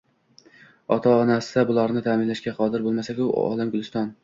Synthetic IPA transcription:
ɒt̪ʰaːnasɪ̥d̪abʊlˠɒɾnɪt̪ʰaːmɪnlaʃkʲaqʰɒd̪ɪɾbolˠmasakʲʊɒ̰lamɡʊlˠɪst̪ɒn

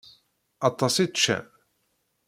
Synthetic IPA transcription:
ɑt̪ˤːɑsit̪t͡ʃːæ̰

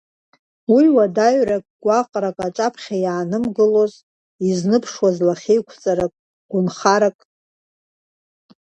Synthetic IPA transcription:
wiwadaɥrakʼɡ̥ʷaqʼrakʼat͡ʃʼapʰχʲajaːnɨmɡɨlo̞z | iznɨpʰʂwazlaχʲejkʷʰt͡sʼaɾakʼ | ɡ̥ʷʊnχaɾakʼ

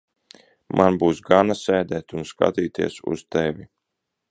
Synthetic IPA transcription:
mʔanbuːsɡanasʲɛːd̪ɛːt̪unska̰t̪iːt̪iɛsṵst̪ɛvʲi

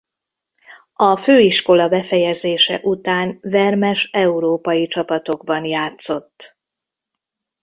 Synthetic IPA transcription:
ɒføːiʃko̞lɒbɛfɛjɛzeːʃɛ̰ʔut̪aːnvɛrmɛʃɛuɾoːpɒjit͡ʃɒpɒt̪o̞ɡ̚bɒnjaːt̪so̞t̪ː

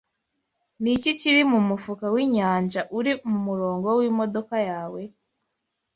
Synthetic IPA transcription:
niciciɾimumufukawiːɲaːnd͡ʒaʔuɾimumuɾo̞ːŋɡowiːmo̞do̞kajaːwe̞

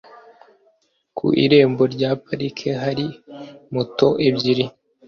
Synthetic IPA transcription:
kʰṵʔḭɾe̞ːmbo̞ɾɟaːpaɾikʰeɦaɾimuto̞ʔebɟiɾi

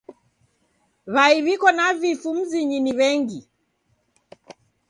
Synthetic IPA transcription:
βaiβikɔnavifum̩ziɲiniβɛŋɡi

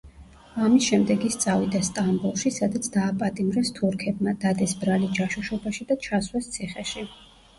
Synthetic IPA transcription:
amisʃɛmd̪ɛɡist̪sʼavid̪ast̪ʼambulˠʃisad̪at̪sʰd̪aːpʼat̪ʼimɾɛst̪ʰuɾkʰɛb̚mad̪ad̪ɛsbɾalid͡ʒaʃuʃɔbaʃid̪at͡ʃʰaswɛst̪sʰiχɛʃi

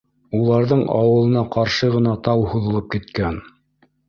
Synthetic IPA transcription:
ulˠɑɾðɤɴɑ̰wɤ̆lˠɤ̆nɑqɑɾʃɤʁɤ̆nɑt̪ɑwhuðɤ̆lˠɤp̚kit̪̚kæn

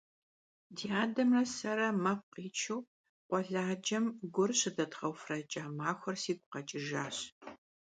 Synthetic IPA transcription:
diaːdɐmrɐsɐɾɐmɐp̚ʷqiːt͡ʃʰɨw | qʷɔɮaːd͡ʒɐmɡʷʊrɕɪdɐtχɐwfrɐt͡ʃʼamaːxʷɐrsiːɡʷʼʊqɐt͡ʃʼɪʒaːɕ

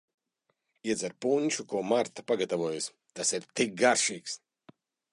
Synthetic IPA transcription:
iɛd̪zaɾpuɲʲʃukuɔmaɾt̪ḁpaɡat̪avuɔjas | t̪asiɾt̪ik̚ɡaɾʃiːks

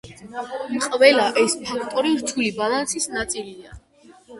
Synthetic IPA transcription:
mqʼvɛlaʔɛsʒɔkʰt̪ʼɔɾiɾt̪ʰulibalˠansisnat̪sʼilida̰

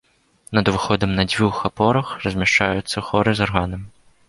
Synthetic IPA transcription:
nɐd̪vɨxɔd̪ɐmnɐd͡zʲvʲuxapɔɾɐxrɐzʲmʲaʂt͡ʂajut̪sːɐxɔɾɨzarɣanɐmʲ

